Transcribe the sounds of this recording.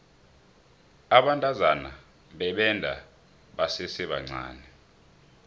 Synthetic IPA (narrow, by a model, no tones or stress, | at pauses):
aɓantʼazana | ɓɛɓɛndʱa̰ | ɓasɛsɛɓa̰ŋ͡ǀa̰ːni